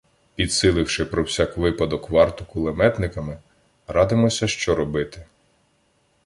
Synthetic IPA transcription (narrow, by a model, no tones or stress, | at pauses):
pʲid̪sɪlˠɪwʃɪpɾɔwsʲɑkʋɪpɐd̪ɔkʋɑrt̪ʊkʊlˠemɛt̪nɪkɐmɪ | ɾɑd̪ɪmɔsʲɐʃt͡ʃɔɾɔbɪt̪ɪ